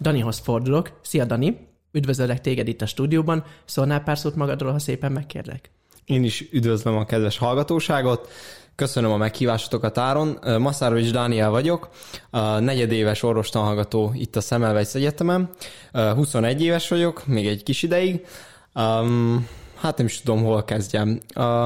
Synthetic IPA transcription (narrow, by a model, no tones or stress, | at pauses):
d̪ɒniɦo̞sfo̞rd̪ulo̞ksijɒd̪ɒni | yd̪vøzøllːɛk̚t̪eːɡɛd̪it̪ːɒʃt̪uːd̪ijoːbɒnsoːnaːlpaːrsuːt̪mɒɡɒd̪roːlɦɒseːpɛmːɛkːḛːrd̪ɛ̰k | eːniʃyd̪vøzlømɒkɛd̪vɛʃhɒlɡɒt̪oːʃaːɡo̞t̪køsønømɒmɛkhiːvaːʃo̥t̪o̞kɒt̪aːɾo̞nmɒsaɾovid͡ʒd̪aːniɛlvɒɟo̞kː | nɛɟɛd̪eːvɛʃorvo̞ʃt̪onɦɒlɡɒt̪oːḭt̪ːɒsɛmɛlvɛcsɛɟɛt̪ɛmɛmɦuso̞nɛɟːeːvɛʃʋɒɟo̞kmeːɡɛɟkiʃid̪ɛjiɡ | haːt̪nɛmiʃt̪ud̪o̞mɦo̞lkɛzɟɛn